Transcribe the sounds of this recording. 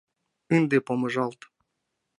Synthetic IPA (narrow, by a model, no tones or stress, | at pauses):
ɨnd̪epoməʒɑlˠt̪